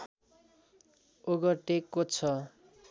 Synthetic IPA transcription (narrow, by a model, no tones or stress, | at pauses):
oɡʌʈekːot͡sʰʌ